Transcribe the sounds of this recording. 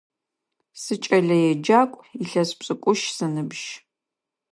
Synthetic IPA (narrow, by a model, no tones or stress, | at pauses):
sɨt͡ʃʼɐɮɐjɛd͡ʒaːkʷʼiɬɐspɕʼɨkʷʼʊʃsɐnɨbʒ̥